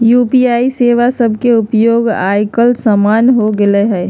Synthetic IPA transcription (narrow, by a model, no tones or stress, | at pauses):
juːpiaːiseːʋasəbʱkeʊpjoːɡa̰ːjkəlsəmaːnɦoɡeleɦɛː